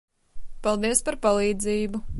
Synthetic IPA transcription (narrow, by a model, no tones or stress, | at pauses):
pɑlˠd̪iɛspaɾpalˠiːd̪ziːbu